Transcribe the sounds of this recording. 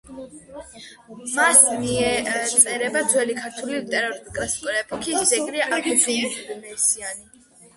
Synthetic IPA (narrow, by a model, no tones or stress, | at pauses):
masmiɛt̪sʼɛɾɛbad̪zwɛlikʰaɾt̪ʰulit̪ʼɛɾɔɾkʼɾɛspʼɾɛpʰʼɔkʰisd̪ɛkʼɾiaʔakʰɛziimɛsiani